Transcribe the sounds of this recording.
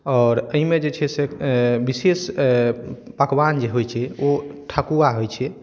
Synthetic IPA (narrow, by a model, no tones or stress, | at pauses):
ɔːɾəɦimed͡ʒet͡ʃʰɛsebises | pəkband͡ʒeɦojt͡ʃʰɛoʈʰakuaɦojt͡ʃʰɛ